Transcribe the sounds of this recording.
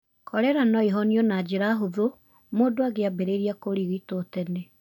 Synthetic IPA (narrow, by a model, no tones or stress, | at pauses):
kʰɔɾɛɾanɔeɦɔniɔnad͡ʒeɾaɦoðo | moːdoaɣeabeɾeɾiakoɾiɣitotɛne